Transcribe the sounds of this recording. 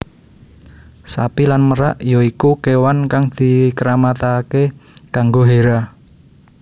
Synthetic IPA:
sa̰pilanməɾaʔjɔikukewankaŋd̪̥i̤kəɾamat̪akekaŋɡoɦeɾa

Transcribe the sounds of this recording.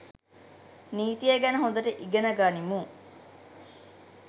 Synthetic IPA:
niːt̪ijeɡænɐɦond̪ɐʈeʔiɡɐnɐɡaːnimuːŋ

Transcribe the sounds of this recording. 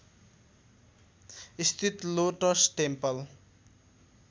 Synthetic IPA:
ist̪ʰit̪loʈʌsʈempʌl

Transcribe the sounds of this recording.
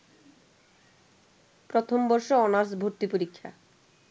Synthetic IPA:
pɾot̪ʰombɔɾʃoɔnaɾsbʱoɾt̪ipoɾikʰːa̰

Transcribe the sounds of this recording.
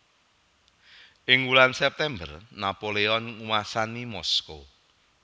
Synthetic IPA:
ʔɪŋwulansɛp̚t̪ɛmbərnapoleɔnŋuwasanimɔsko̰

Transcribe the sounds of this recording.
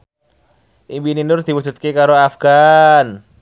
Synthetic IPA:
ʔimbininʊrd̪̥iwusut̪̚kekaɾoafɡ̥an

